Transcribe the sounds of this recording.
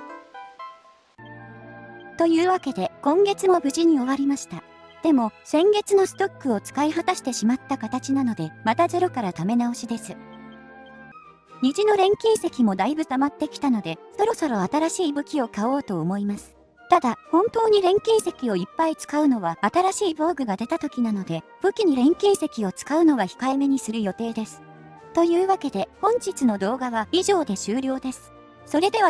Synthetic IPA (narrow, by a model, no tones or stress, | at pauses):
t̪o̞jɯ̟ːβake̞d̪e̞kõ̞ŋɡe̞t͡sɨmo̞bɯ̟ʑiɲ̟io̞βaɾʲimaɕi̥t̪a | d̪̥e̞mo̞sẽ̞ŋɡe̞t͡sɨno̞sɨ̥t̪o̞kːɯ̟o̞t͡sɨ̥kaiɦat̪aɕi̥t̪e̞ɕimat̪ːakat̪at͡ɕinano̞d̪e̞mat̪aze̞ɾo̞kaɾat̪ame̞nao̞ɕid̪e̞sɨ | ɲ̟iʑino̞ɾẽ̞ŋkʲĩɰse̞kʲimo̞d̪aibɯ̟t̪amat̪ːe̞kʲi̥t̪ano̞d̪e̞so̞ɾo̞so̞ɾo̞at̪aɾaɕiːbɯ̟kʲio̞kao̞ːt̪o̞ːmo̞imasɨ̥ | t̪ad̪ahõ̞nt̪o̞ːɲ̟iɾẽ̞ŋkʲĩɰse̞kʲio̞ipːait͡sɨ̥kaɯ̟no̞βaat̪aɾaɕiːboːɡɯ̟ɡad̪e̞t̪at̪o̞kʲinano̞d̪e̞b̥ɯ̟kʲiɲ̟iɾẽ̞ŋkʲĩɰse̞kʲio̞t͡sɨ̥kaɯ̟no̞βaçi̥kaeme̞ɲ̟isɨɾɯ̟jo̞t̪e̞ːd̪e̞sɨ̥ | t̪o̞jɯ̟ːβake̞d̪e̞hõ̞ɲ̟t͡ɕit͡sɨno̞d̪o̞ːɡaβaiʑo̞ːd̪e̞ɕɨːɾʲo̞ːd̪e̞sɨ̥ | so̞ɾe̞d̪e̞βa